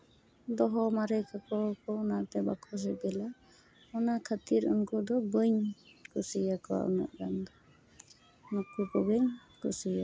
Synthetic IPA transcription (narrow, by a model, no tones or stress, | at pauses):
d̪ɔɦɔmaɾəjkʰakɔkɔɔnat̪ɛbakʰɔs̬ɛbɛla | ɔnakʰat̪iɾunkud̪ɔɡəɲkusijakɔwa̰ʔɔ̰nɔ̰ʔɡand̪ɔ | makukɔɡɯɲkusija